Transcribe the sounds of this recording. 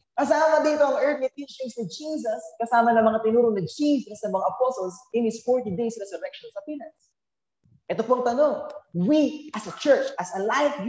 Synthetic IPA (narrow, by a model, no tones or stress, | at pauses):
kɐsaːmɐd̪iːt̪oɐŋʔɛɹt̪̚ɪt̪iʃɪŋsnɪd͡ʒiːs̬ɐskɐsaːmɐnɐmɐŋat̪ɪnuːɾonɐd͡ʒiːsɐsnɐmɐŋaʔɐposolsʔɪnhɪsfoɹt̪id̪ejsɾɛsʊɾɛk̚ʃonsɐpinɐns | ʔɛt̪opoɐŋt̪ɐno̞ŋwiʔɐsɐt͡ʃɛɹt͡ʃʔɐsɐlajfj